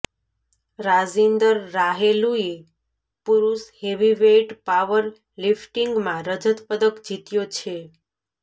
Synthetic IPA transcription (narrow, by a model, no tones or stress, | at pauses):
ɾad͡ʒind̪əɾːaɦelue | puɾusheʋiʋeʈpaʋəɾ | lifʈiŋɡmãɾəd͡ʒət̪pəd̪əkd͡ʒit̪jot͡ʃʰe